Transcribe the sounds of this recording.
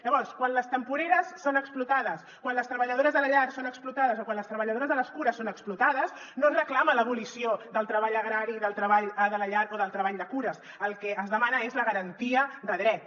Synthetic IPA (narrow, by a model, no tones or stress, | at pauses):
ʎəβɔrskwanləst̪əmpuɾeɾəsːonəksplut̪aðəs | kwanləst̪ɾəβəʎəð̞oɾəzðələʎaɾsonəksplut̪aðəzokwanləst̪ɾəβəʎəðoɾəzðələskuɾəsːonəksplut̪aðəsnõnrəklamələβulisiod̪əlˠt̪ɾəβaʎəɣɾaɾiðəlˠt̪ɾəβaʎəðələʎaɾoðəlˠt̪ɾəβ̞aʎd̪əkuɾəs | əlˠkɛʔəzðəmanəezləɣəɾənt̪iəðəðɾɛt̪